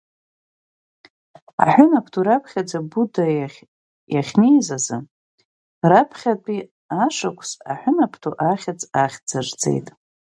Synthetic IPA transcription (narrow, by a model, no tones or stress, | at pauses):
a̰ħʷᶣʊnapʰtʰuɾapʰχʲad͡zabuda | jaχʲnejzazɨ̰ | rapʰχʲapʼi | aʂakʷʰʼsa̰ħʷʊnapʰtʰuʔaχʲat͡sʼaχʲd͡zard͡zḛjtʼ